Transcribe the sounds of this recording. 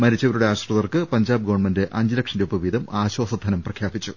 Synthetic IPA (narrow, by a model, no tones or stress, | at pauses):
mɐɾit͡ɕːɐʋɐɾuɽe̞aːɕrɐðɐrkɨpɐɲd͡ʑaːbɨɡoʋːɳmɐndɨʔɐɲd͡ʑilɐkʂɐndeupːɐʋiːd̪ʱɐmaːɕwoːsɐd̪ʱːɐnɐmprɐkʰjaːbit͡ɕːu